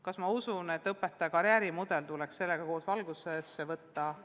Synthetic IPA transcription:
kɑsmɑusune̞t̪ːˑɤpːet̪ːˑɑjɑkɑɾjæːɾimud̪̥e̞lt̪ulɛksse̞lːeɡ̥ɑko̞ːsvɑlɡ̥usesːevɤt̪ːɑ

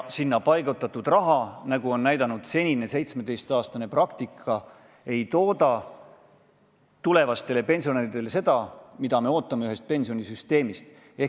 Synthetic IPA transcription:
sinːɑpɑjɡ̥ut̪ːˑɑt̪ːˑud̪̥rɑɦɑnɑɡ̥uo̞nːæjd̪̥ɑnud̪̥se̞nʲine̞se̞jt̪sme̞d̪e̞jst̪ɑːst̪ɑne̞prɑkt̪ikʰːˑɑ | e̞jt̪o̞ːd̪ɑ | t̪ule̞vɑst̪e̞le̞pe̞nʲsio̞neːɾit̪e̞lese̞d̪̥ɑmid̪̥ɑme̞o̞ːt̪ˑːɑme̞yɦe̞st̪̚pe̞nʲsio̞nʲisyst̪e̞ːmist̪ | e̞

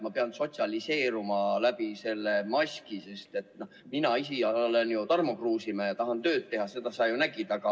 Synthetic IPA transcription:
mɑpe̞ɑnso̞t̪ʲsiɑlise̞ːɾumɑlæb̥ise̞lːe̞mɑsʲkise̞st̪e̞t̪ˑnohminɑisiɑlenjut̪ɑrmo̞kruːsimɑjɑt̪ɑɦɑnt̪ø̞ːt̪̚t̪ːe̞ɦɑse̞d̪ɑsɑjunæɡ̥id̪̥ɑɡɑ

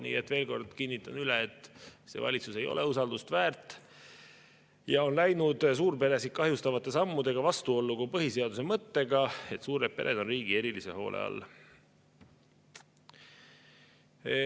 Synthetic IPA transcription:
nḭːet̪ːˑve̞ːlko̞rd̪̥kinːit̪ːˑɑnyleet̪ˑːse̞̰vɑ̰lʲit̪suse̞jo̞̰le̞usɑld̪ust̪væːrt̪ːˑ | jɑo̞nlæjnud̪̥s̬uːɾpe̞ɾe̞sit̪̚kɑɦjust̪ɑvɑt̪ːˑe̞sɑmːud̪e̞ɡ̥ɑvɑst̪uo̞lːukupɤɦise̞ɑd̪us̬e̞mɤt̪ːe̞ɡɑe̞t̪suːɾet̪̚pe̞ɾʔe̞d̪o̞nriːɡ̥ie̞ɾilise̞ɦo̞̰ːlʔḛɑ̰lː

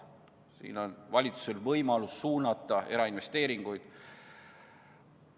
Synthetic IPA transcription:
sḭːno̞nvɑlʲit̪su̥se̞lvɤjmɑlusːuːnɑt̪ːˑɑe̞ɾɑinve̞st̪e̞ːɾiŋɡ̥ujd̪̥

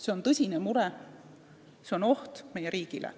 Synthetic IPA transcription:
se̞o̞nt̪ɤsʲinemuɾɛ | se̞ono̞ht̪me̞jeɾiːɡ̥ilḛ

